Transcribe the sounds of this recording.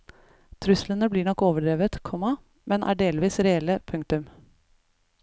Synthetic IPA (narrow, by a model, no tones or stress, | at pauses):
t̪ʰɾʉslənəbliːɳɔkːoːʋəɖɾeːʋət̪kʰɔmɑ | mɛnʔæ̰ːɖeːlʋiːsɾɛɛlːəpʰʉŋk̚t̪ʉm